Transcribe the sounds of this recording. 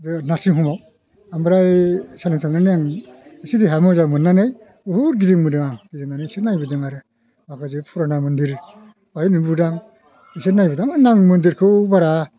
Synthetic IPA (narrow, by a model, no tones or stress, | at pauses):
dɯnaɾsiŋɦumaw | ambɾajsaleŋtʰananɯjaŋesidiɦamɯzamɯnːanɯj | uhuɾɡiziŋmɯdɯŋaŋɡiziŋnanɯsetnajbɯdɯŋaɾɯ | bakʰazɯpʰɔɾanamɯndiɾ | bainibudaŋ | isenajbɯdaŋɯnaŋmɯndiɾkʰɯwbaɾa